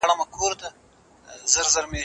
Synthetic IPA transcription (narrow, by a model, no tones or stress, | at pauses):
ɽamakʰoɾd̪a | zəɾzaɾme